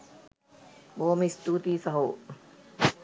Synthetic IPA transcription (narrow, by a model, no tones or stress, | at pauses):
moːmist̪uːt̪iːsɐɦoː